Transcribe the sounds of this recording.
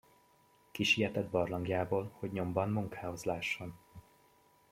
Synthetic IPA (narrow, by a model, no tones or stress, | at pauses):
kiʃijɛt̪ɛd̪̚bɒrlɒŋɡjaːboːlho̞ɟɲo̞mbɒnmuŋkʰaːho̞zlaːʃːo̞n